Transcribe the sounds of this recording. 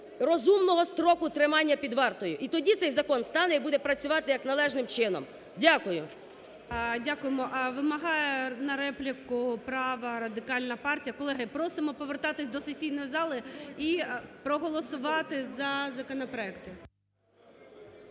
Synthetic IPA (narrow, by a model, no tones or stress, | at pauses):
ɾɔzumnɔɦɔst̪ɾɔkʊt̪ɾɪmɑnʲːɐpʲid̪ʋɑrt̪ɔjʊʔit̪ɔdʲit̪sɛjzɐkɔnst̪ɑnɛibud̪ɛpɾɐt͡sʲʊʋɑt̪ɪjɐknɐlˠɛʒnɪmt͡ʃɪnɔ̰m | dʲakʊjʊ | dʲakʊjemɔʔʋɪmɐɦɑjɛnɐɾɛplʲikʊpɾɑʋɐɾɐd̪ɪkɑlʲnɐpɑrtʲijɐkɔlˠɛɦɐpɾɔsɪmɔpɔʋert̪ɑt̪ɪsʲd̪ɔsesʲijnɔjizɑlˠɪipɾɔɦɔlˠɔsʊʋɑt̪ɪzɐzɐkɔnɔpɾɔɛkt̪ɪ